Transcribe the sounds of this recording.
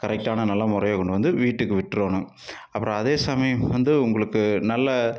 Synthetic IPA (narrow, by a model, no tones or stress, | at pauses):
kɐɾɛk̚ʈːaːnɐnɐlːɐmʊɾɐjɐkːɔɳɖɯʋɐnd̪ɯʋiːʈːɯkːɯʋɪʈːɾoːnɯ̃ | ɐpːɯɾɐ̃ɐðeːsɐmɐjɐmʋɐnd̪ɯʊŋɡɐɭɯkːɯnɐlːɐ